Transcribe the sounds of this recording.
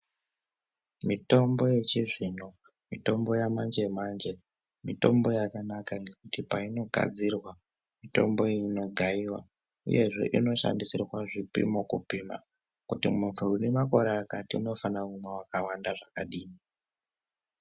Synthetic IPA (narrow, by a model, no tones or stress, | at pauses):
mito̞mbo̞je̞t͡ʃiʐino̞ | mito̞mbo̞jamand͡ʒemand͡ʒe̞ | mito̞mbo̞jakanakaŋɡe̞kutipaino̞ɡʱa̰d͡zirwa | mito̞̰mbo̞no̞ɡʱaiwa̰ | ṵje̞ʐe̞̰ʔino̞ʃa̰ndisirwaʐipḭmokupima̰ | kutḭmuntʰuunemako̞ɾeːkatiuno̞fanaunawakawandaʐakaɗiːni